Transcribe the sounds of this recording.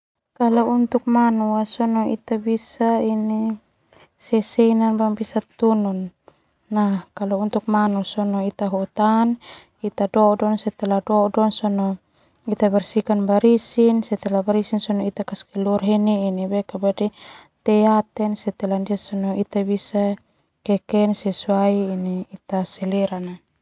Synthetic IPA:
kalaunt̪uk̚manuasɔnɔḭt̪abisaini | sɛsɛnanbaŋbisat̪unɔnː | akalount̪uk̚manusɔnɔit̪aɦut̪an | it̪adɔdɔnsɛt̪ɛladɔdɔŋsɔnɔ | it̪abɛrsikanbaɾisinsɛt̪ɛlabaɾisinsɔnɔit̪akaskɛlurɦɛniinibɛkabadit̪ɛat̪ɛnsɛt̪ɛlandiasɔnɔit̪abisa | kɛkɛnsɛsuaiːniːt̪asɛlɛɾana

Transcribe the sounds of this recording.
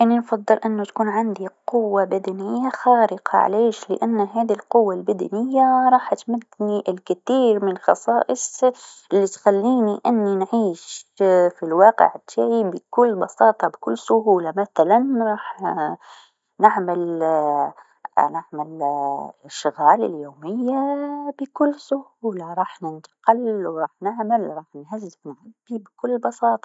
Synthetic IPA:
ʔanːinfɑd̪ˤːɨlʔɪnːʊt̪akuːnʕand̪iqʊwːabad̪anɪjːaxaːɾɪqɑ̰ʕa̰leːʃlɪ̰ʔanːɦaːd̪ilqʊwːalbad̪anɪjːaɾˤɑːħʔat̪mad̪niʔɪlkɪθiːɾmɪnlxɑsˤɑːʔɪsˤʔɪlːit̪xalːiːniʔɪnːinʕiːʃfilwɑːqɪ̰ʕt̪ːaːʕibɪkʊlːbɑsɑːt̪ˤɑbɪkʊlːsʊhuːlamaθalanɾˤɑːħ | nɪʕmɪl | nɪʕmɪl | ʃːʊɣaːlɪ̰ljoːmɪjːabɪkʊlːsʊhuːlaɾˤɑːħnɪnt̪ḁqɪlwɾˤɑːħnɪʕmɪlɾˤɑːħnhazːɪfnʕabːibɪkʊlːbɑsɑːt̪ˤɑ̥

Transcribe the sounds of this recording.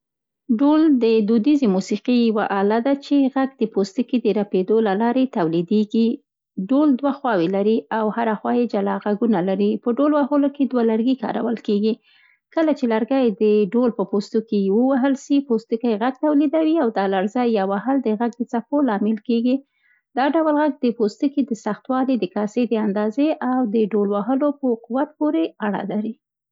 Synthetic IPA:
ɖold̪əd̪ud̪izemusiqijawaʔalad̪at͡ʃeɣaɡd̪əpost̪ikid̪əɾaped̪olalɑɾet̪awlid̪eɡi | ɖold̪waxwɑwelaɾiawhaɾaxwɑjed͡ʒalɑɣaɡunalaɾipəɖolwaɦoloked̪walaɾɡikɑ̰ɾa̰wəlkeɡi | kəlat͡ʃelaɾɡajd̪əɖolpəpost̪okewəwaɦəlʃipost̪əkajeɣaɡ̚t̪awlid̪awiawd̪ɑlaɾzɑjːɑwahəld̪əɣaɡ̚d̪ət͡sapolɑmɪlkeɡi | d̪ɑɖawəlɣaɡ̚d̪əpost̪ukid̪əsaxt̪wɑlid̪əkɑsed̪əand̪ɑzeʔawd̪əɖolwaɦəlopəquwat̪̚poɾeaɽa̰laɾi

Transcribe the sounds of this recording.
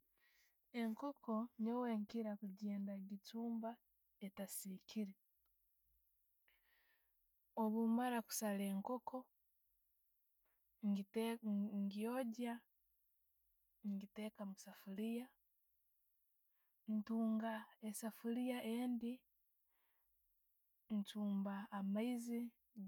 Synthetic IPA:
e̞ŋkokʰo̞ɲoweŋkiɾakuɟeːndaɡituːmba | etasikʰiɾe | oβumaɾaku̥saleːŋko̞kʰo̞ | ŋɡioɟa | ŋɡite̞kamusafulija | ntuːŋɡaesafulijaʔeːndi | ntuːmbaːmaizi

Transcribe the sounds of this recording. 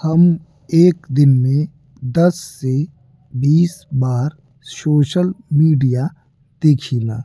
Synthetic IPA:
hɐm | eːkd̪ɪnmẽ | d̪ɐsːe | biːsbaːɾ | soːʃəlmiːɖija | d̪̥eːkʰiːna̰ː

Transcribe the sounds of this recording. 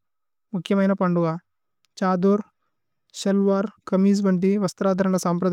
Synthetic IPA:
mukʰjɐmɐjnɐpɐɳɖuʋa | t͡ʃaːd̪uːɾ | ʃɐlʋaːɾkɐmiːs̬ʋɐɳʈ̬iʋɐst̪ɐɾaːd̪ʱɐɾɐɳɐsaːmpɾɐd̪

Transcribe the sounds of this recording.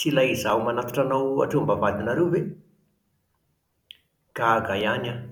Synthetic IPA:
t͡silaizaumanat̪ḁʈ͡ʂanawa̰ʈ͡ʂombavad̪inaɾewve | ɡ̥aɡajana

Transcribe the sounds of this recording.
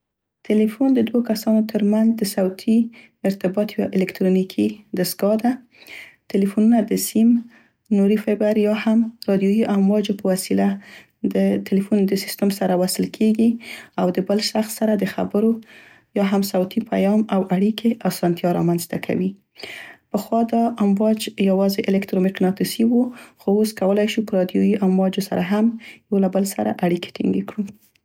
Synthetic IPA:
t̪ɪlifund̪əd̪wokasɑnot̪ʰəɾmanzd̪əsawt̪ʰi | ɪɾt̪ɪbɑt̪jwa̰ʔɪlɪkt̪ɾonikʰid̪asɡɑd̪a | t̪ɪlifununad̪əsim | nuɾifabaɾjɑhamɾɑd̪jojiʔamwɑd͡ʒopəwasila | d̪ət̪ɪlefund̪əsi̥st̪əmsaɾawasəlkʰeɡiawd̪əbəlʃaxsːaɾad̪əxa̰bəɾo | jɑɦamsawt̪ʰipʰajɑmawaɽikeʔasɑnt̪jɑɾɑ̰manzt̪akʰa̰wi | pəxwɑd̪ɑʔamwɑd͡ʒjawɑzeʔɪlɪkt̪ɾomɪqnɑt̪isiwuxooskawəlajʃupəɾɑd̪jojiʔamwɑd͡ʒosa̰ɾʔaɦamjawlabəlsa̰ɾa̰ʔaɽike̥ʈḭŋɡḛkɽu

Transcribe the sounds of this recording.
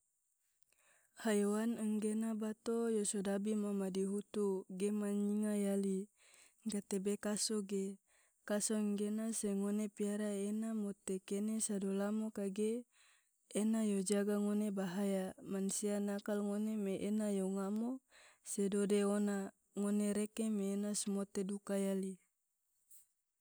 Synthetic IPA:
hajowanəŋɡenabat̪ojosodabimamadiɦut̪uɡemaɲiŋajali | ŋɡat̪ebekasoɡe | kasoŋɡenaseŋonepiaɾaenamot̪ekenesadolamokaɡeː | najod͡ʒaɡaŋonebaɦajamansianakalŋonemeʔenajoŋamosedodeona | ŋoneɾekemeːnasmot̪edukajali

